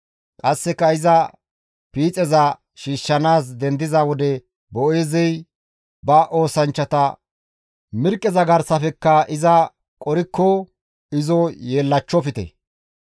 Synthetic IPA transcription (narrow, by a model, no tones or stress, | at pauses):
kʼɐsːɛkːɐɪzɐ | piːt͡sʼɛzɐ | ʃiːʃːɐnaːs̬d̪ɛnd̪ɪzawɔd̪ɛ | bɔʔeːzɛj | bɐʔo̞ːsɐnt͡ʃːɐt̪ɐ | mɪɾkʼːɛzɐɡɐɾsɐfɛkːɐʔɪzɐ | kʼɔɾɪkːɔ | ɪzɔjeːlːɐt͡ʃːɔfɪt̪ɛ̰